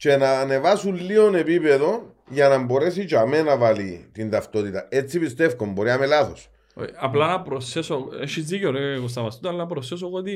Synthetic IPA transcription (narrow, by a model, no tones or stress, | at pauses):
t͡ʃenaːne̞vasunlio̞ne̞pipe̞ðo̞n | ʝɐnɐmbo̞ɾe̞sit͡ʃame̞navalit̪int̪ɐft̪o̞t̪it̪ɐet͡sːipist̪e̞fkombo̞ɾiamelaθos | o̰ɐplɐnɐpɾosesoeʃizðiceoɾekost̪ɐmɐst̪ut̪ɐlːɐpɾoses̬oɣoot̪i